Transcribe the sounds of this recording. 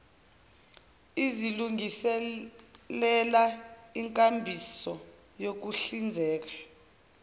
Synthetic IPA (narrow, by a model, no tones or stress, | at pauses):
iziluŋɡisɛ | lɛlaiŋkʼambʱisɔ | jok̬uɬind͡zʱɛːk̬ḁ